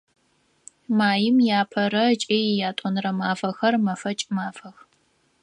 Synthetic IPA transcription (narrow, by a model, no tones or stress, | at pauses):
maːjɪmjaːpʰɐɾɐt͡ʃʼeːjjaːtʼɔnrɐmaːfɐxɐrmɐfɐt͡ʃʼmaːfɐx